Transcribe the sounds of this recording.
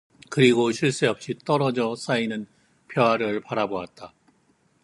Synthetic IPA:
kɯɾiɡoɕʰiɭs͈eʌp̚ɕ͈it͈ʌɾʌd͡ʑʌs͈ainɯn | pʰjʌɦaɾɯɭpaɾaboat̚t͈a

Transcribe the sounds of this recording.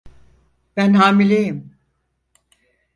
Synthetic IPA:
b̥ænɦaːmilʲejim

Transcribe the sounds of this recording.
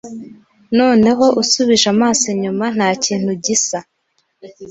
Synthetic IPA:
no̞ːne̞ɦo̞ʔusuβiʒamaːsiɲuman̥haːciːn̥huɟisa

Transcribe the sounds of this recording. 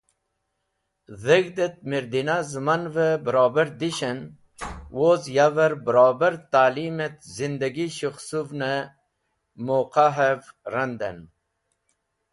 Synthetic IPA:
zeɡd̪et̪̚miɾd̪inazmanvebəɾɑːbɐɾd̪iɕen | wozjavɐɾbəɾɑːbɐɾt̪aːlimet̪zind̪ɐɡiʃuxsuvne | moqaɦevɾɐnd̪ɐ̰n

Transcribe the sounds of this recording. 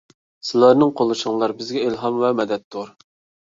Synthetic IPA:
sɨlˠɑɾnɨŋqʰolˠːɨʃəŋlˠɑɾbɪzɡʲɛilɦɑmvɛmɛd̪ɛt̪ʰːuɾ

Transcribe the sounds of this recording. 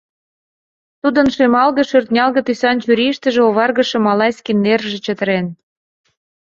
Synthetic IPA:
t̪ud̪ə̆nʃemɑlɣɤ̆ʃørt̪nʲɑlɣɤ̆t̪ysɑnt͡ɕyɾʲiʃt̪ə̆ʒĕoβɑrɣə̆ʃɤ̆mɑlɑjsʲkinːerʒĕt͡ɕə̆t̪ə̆ɾen

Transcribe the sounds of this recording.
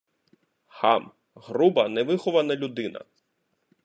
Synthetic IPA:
hɑm | ɦrubɐnɛʋɪxɔʋɐnɐlʲud̪ɪnɐ̰

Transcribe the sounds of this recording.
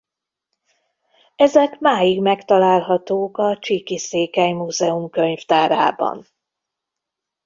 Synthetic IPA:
ɛzɛkmaːjiɡmɛkt̪ɒlaːlɦɒt̪oːkɒt͡ʃikiseːkajmuːzɛumkø̞ɲft̪aːɾa̰ːbɒ̰n

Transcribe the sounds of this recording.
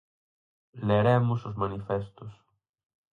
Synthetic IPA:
leɾɛmʊsʊzmanifɛst̪ʊs

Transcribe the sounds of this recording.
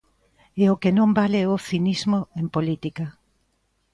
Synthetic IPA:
eokenõmbaleoθinizmoempolit̪ika

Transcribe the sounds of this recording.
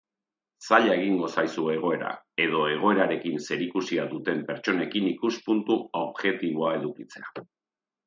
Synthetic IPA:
saʎae̞ɣ̞iŋɡo̞sajsueːɣ̞o̞e̞ɾa̰ | e̞ðo̞e̞ɣ̞o̞e̞ɾaɾe̞kinse̞ɾikusiaðut̪e̞mpe̞ɾt͡ʃo̞ne̞kinikuspunt̪uoβʝe̞t̪iβ̞o̞ae̞ðukit͡se̞a

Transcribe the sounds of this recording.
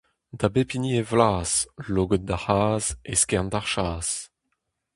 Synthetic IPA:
dabepinievlaːsloːɡət̚d̪ahaːzeskɛndaʁʃaːs

